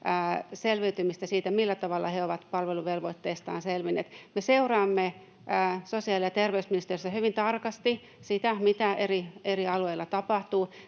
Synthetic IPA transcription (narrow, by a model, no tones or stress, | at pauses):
əːselʋyyt̪ymist̪æsiːt̪æmilːæt̪ɑʋɑlːɑ̰heoʋɑt̪pɑlʋeluʋelʋoit̪ːeːst̪ɑ̰ːnselʋinːḛːt̪meseurɑːmːe | əːsosiɑlɑt̪erʋeysminist̪erisæhyʋint̪ɑrkɑst̪i | sit̪æmit̪æerieriɑlueilːɑt̪ɑpɑht̪uː